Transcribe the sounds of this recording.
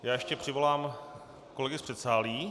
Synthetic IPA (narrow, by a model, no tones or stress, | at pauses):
jaːjɛʃcɛpr̝̥ɪvo̞laːm | ko̞lɛɡɪspr̥ɛt̪saːliː